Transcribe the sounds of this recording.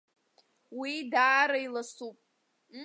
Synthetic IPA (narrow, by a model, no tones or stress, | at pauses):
widaːɾailasupʼ